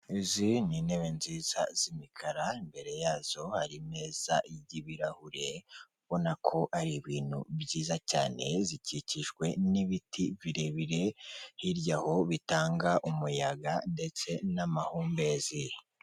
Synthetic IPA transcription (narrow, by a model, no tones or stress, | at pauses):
izinine̞βe̞nziːz̥a̰z̥imikʰaɾaimbe̞ɾe̞jaːz̥o̞haɾime̞ːz̥a̰iɟiβiɾahuɾe̞ | βo̞nakʰo̞ʔaɾiβiːn̥hṵβɟiːzaca̰ːne̞ziciciʃɡwe̞niβitʰiβiɾe̞βiɾe̞hiɾjaho̞βitaːŋɡaʔumujaɡande̞t͡se̞namahuːmbezi